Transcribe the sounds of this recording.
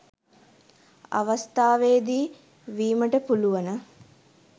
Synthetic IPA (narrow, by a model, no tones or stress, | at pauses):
a̰ʋɐst̪aːʋeːd̪iː | ʋiːməʈəpuluʋɐnə